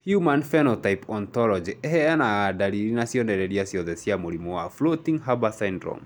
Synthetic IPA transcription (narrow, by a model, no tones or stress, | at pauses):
hjumanfɛnɔtaipɔntɔlɔd͡ʒiʔɛɦɛanaadaɾiɾinasjɔndɛɾɛɾiasjɔðɛsiamoɾimɔwaflotiŋɦabasandɾɔ̰m